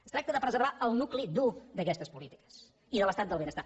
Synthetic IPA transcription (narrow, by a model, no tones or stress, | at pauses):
əst̪ɾak̚t̪əðəpɾəzəɾβaəlˠnuklid̪ud̪əkɛst̪əspulit̪i̥kə̥s | iðələst̪at̪d̪əlˠβenəst̪a